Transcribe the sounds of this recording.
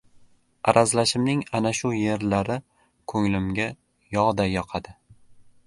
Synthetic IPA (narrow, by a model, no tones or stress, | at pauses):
aɾazlaʃɪmnɪŋanaʃʊje̞ɾlaɾɪ | kʰɵŋlɪmɡʲa | jɒʁd̪ajɒqʰɑd̪ɪ